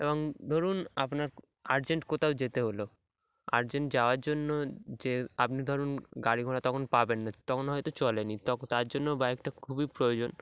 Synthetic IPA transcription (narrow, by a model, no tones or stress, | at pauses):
eboŋd̪ʱoɾunapnaɾ | aɾd͡ʑeɳʈkot̪ʰaod͡ʑet̪eɦolo | a̰ɾd͡ʑeɳʈd͡ʑaoaɾd͡ʑonːod͡ʑeapnid̪ʱɔɾunɡaɽiɡʱonat̪ɔkʰonpabenːat̪ɔkʰonɦɔjt̪ot͡ɕɔlenit̪ɔt̪aɾd͡ʑonːobaɛk̚ʈakʰubipɾojod͡ʑon